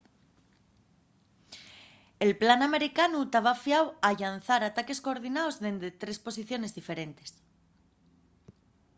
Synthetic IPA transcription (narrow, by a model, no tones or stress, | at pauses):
e̞lplaname̞ɾikanut̪aβafjawaʎanθaɾat̪ake̞sko̞ːɾðinaozðend̪et̪ɾe̞spo̞s̬iθjo̞ne̞zðife̞ɾe̞nt̪e̞s